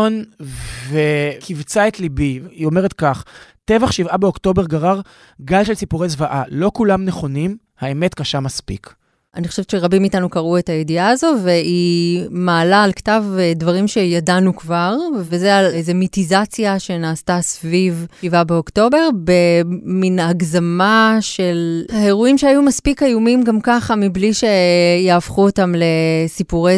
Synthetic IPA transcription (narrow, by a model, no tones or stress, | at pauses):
nvekʰivt͡saetlibiio̞meʁetkaχtevaχʃivabeokto̞be̞ʁɡaʁaʁ | ɡalʃelsipuʁezvaʔalo̞kulamneχo̞nim | haeme̞tkaʃamaspḭk | aniχo̞ʃet͡ʃeʁabimitanukaʁue̞tajediaːzo̞ve̞imaːlaːlktavedvaʁimʃe̞jadanukvaʁvezealeze̞mitizat͡sjaʃe̞naːstasvivivabeo̞kto̞be̞ʁbe̞minaɡzamaʃe̞lhae̞ʁuimʃeajumaspikajumimɡamkaχamibliʃe̞jaːfχuotamle̞sipuʁe